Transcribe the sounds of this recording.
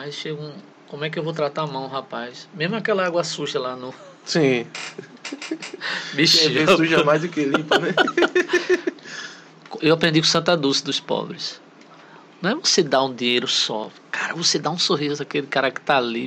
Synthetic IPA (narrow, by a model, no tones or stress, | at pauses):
majsʃeɡũ | kõmʊɛkɪewvot̪ɾat̪amɐ̃w̃ɦapajsmezmʊakɛlɐaɡwɐsuʒɐlanʊ | sĩ | biʃeẽsuʒɐmajzd̪ʊkelĩpme | kewapɾẽd̪ikõsɐ̃nt̪ad̪usɪd̪ʊspɔ̰bɾɪs | nɐ̃w̃ɛvosed̪aũd̪ĩɲejɾʊsɔ̰ | kaɾɐvosed̪aũsoɦizʊakelɪkaɾakɪ̥t̪ali